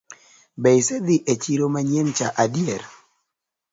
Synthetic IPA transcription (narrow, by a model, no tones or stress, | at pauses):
bɛjsed̪iʔet͡ʃiɾomaɲent͡ʃaʔadjeɾ